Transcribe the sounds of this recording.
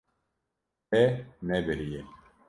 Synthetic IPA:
ɛnɛbeɾije

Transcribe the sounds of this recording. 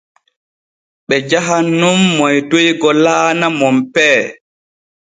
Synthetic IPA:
ɓɛd͡ʒaɦanːumːɔjtojɡɔlaːnamɔmpɛː

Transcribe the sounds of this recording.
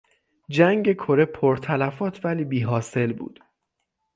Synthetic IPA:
d͡ʒæŋɟe̞kʰo̞ɾe̞pʰoɾt̪ʰælæfɒːt̪ʰvæliːbiːɦɒːse̞lbṵːd̪̥

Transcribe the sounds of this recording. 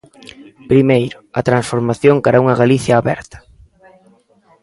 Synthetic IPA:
pɾimejɾʊɐt̪ɾansfoɾmaθjoŋkaɾauŋɐɣaliθjɐːβɛ̰ɾt̪ɐ̥

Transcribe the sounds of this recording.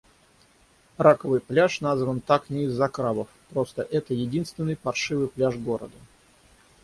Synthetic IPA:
ɾakəvɨjplʲaʂnazvənt̪aknʲɪːzːɐkɾabəfpɾo̞st̪əʔɛt̪əjɪdʲinst̪vʲɪnːɨjpɐrʂɨvɨjplʲaʐɡoɾə̰d̪ə

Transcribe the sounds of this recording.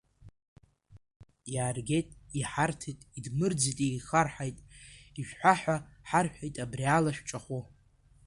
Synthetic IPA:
jaːrɡʲe̞jtʼiħartʰitʼidmɨrd͡zitʼejχarħajtʼiʃᶣʷħʷaħʷᶣaħarħᶣajtʼabrialaʃᶣʷt͡ʃʼaχʷu

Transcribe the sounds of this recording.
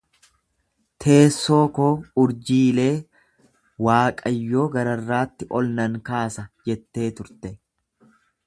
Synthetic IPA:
t̪ʰe̞ːsːo̞ːkoːʊɾd͡ʒiːle̞ː | waːkʼɐjːo̞ːɡɐɾɐrːaːt̪ːɪʔɔlnɐŋkaːsɐd͡ʒɛt̪ːe̞ːt̪ʊɾt̪ɛ

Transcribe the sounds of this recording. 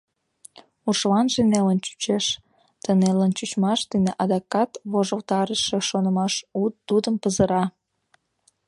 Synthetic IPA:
uʃlɑnʒenelənt͡ɕy̥t͡ɕeʃ | t̪ənelənt͡ɕyt͡ɕmɑʃd̪əneʔɑd̪ɑkɑt̪βoʒəlt̪ɑɾəʃeʃonə̆mɑʃut̪ud̪əmpəzəɾɑ

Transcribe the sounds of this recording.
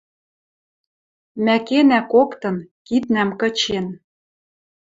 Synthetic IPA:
mækenækokt̪ɤ̆nkit̪̚næmkɤ̆t͡ɕen

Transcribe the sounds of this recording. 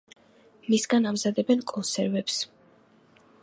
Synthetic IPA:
misɡanamzad̪ɛbɛnkʼɔnsɛɾvɛps

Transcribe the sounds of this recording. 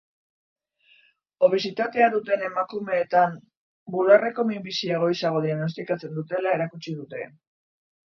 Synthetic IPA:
o̞β̞e̞sit̪at̪e̞aðut̪e̞ne̞makume̞ːt̪am | bulare̞ko̞mimbisieɣ̞o̞isaɣ̞o̞ðiaɣno̞s̬t̪ikat͡se̞nd̪ut̪e̞lae̞ɾakut͡ʃið̞ut̪e̞̰

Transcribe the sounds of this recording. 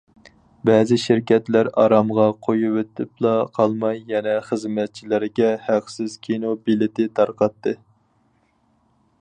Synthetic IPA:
bɛːzɪʃɪɾkʲɛt̪læɾɑ̰ɾɑmʁɑqʰojuwet̪ʰɪplˠɑqʰɑlˠmɑjːɛnɛχəzmɛt̪̚t͡ʃʰilɪɾɡʲɛhæqsɪzkʲʰinobilɪt̪ɪt̪ʰɑɾqɑt̪ːɨ

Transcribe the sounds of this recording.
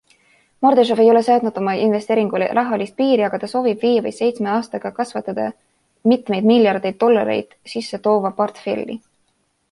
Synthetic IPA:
mo̞rd̪eʃ̬ove̞jo̞le̞sɑːd̪nud̪̥o̞mɑʔinve̞st̪e̞ːɾiŋɡ̥ulḛɾʔɑɦɑlist̪̚piːɾiɑɡ̥ɑt̪ɑso̞ːvib̥viːvɤ̰jse̞jt̪sme̞ɑːst̪ɑɡ̥ɑkɑsvɑt̪ːˑɑd̪̥ɑ | mit̪me̞jd̪̥miljɑrd̪e̞jd̪̥̚ːo̞lːɑ̰ɾe̞̰jd̪̥sisːe̞t̪o̞ːvɑport̪fe̞̰lʲːḭ

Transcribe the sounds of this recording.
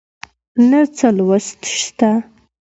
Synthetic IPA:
nat͡səlwast̪ʃt̪a

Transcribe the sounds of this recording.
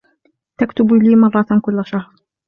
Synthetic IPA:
t̪akt̪ʊbliːmɑrˤːɑt̪kʊlːaʃahɾ

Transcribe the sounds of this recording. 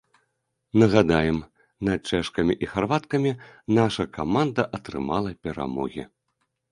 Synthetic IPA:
nɐɣad̪ajɛm | nat͡ʂɛʂkɐmʲiʔixarvat̪kɐmʲinaʂɐkamand̪ɐʔɐt̪ɾɨ̰malˠɐpʲɛɾa̰mɔ̰ɣʲḭ

